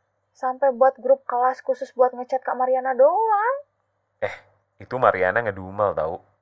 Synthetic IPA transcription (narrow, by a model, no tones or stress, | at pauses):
sampɛjbuat̪̚ɡɾʊp̚kalaskusʊsbuat̪̚ŋət͡ʃat̪̚kaʔmaɾianadɔlaŋ | ʔɛh | it̪umaɾia̰naŋəduumalt̪a̰u